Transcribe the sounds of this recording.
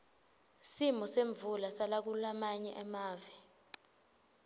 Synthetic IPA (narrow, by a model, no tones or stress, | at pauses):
simɔseɱbvulasalak̬ulamaɲɛʔɛmaːvɛ